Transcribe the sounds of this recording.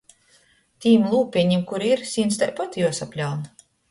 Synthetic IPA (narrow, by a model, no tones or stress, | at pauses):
t̪ʲiːmlˠuːpʲiɛɲimkuɾiiɾsʲiːnst̪ajpat̪ʲijuɔsapʲlʲawn